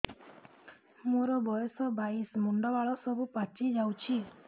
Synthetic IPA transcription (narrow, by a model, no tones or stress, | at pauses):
moɾɔbɔjɔsɔbaismuɳɖɔʋaɭɔsɔbʱupat͡ʃid͡ʒawt͡ʃʰi